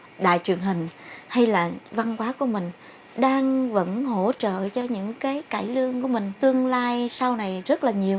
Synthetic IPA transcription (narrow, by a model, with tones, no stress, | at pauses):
ɗa̰ː˧˨jt͡ɕwi˨˩ənɦï˨˩ŋ̟ha˧jlaː˨˩va˧nkwaː˨˦ku˧˩əmï˨˩ŋ̟ | ɗaː˧ŋvə̰˧˥nho̰˧˥t͡ɕə̰ː˧˨t͡ɕɔ˧ɲɨ̰˧˥ŋkaː˨˦jkaː˧˩jlɨ˧əŋku˧˩əmï˨˩ŋ̟t̪ɨ˧əŋlaː˧jsa˧wna˨˩jzə˦˥t̚laː˨˩ɲi˨˩əw